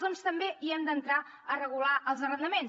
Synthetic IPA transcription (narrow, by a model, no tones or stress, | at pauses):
ðɔnst̪əmbeʔiənd̪ənt̪ɾa | ərəɣulaʔəlˠzərənd̪əmen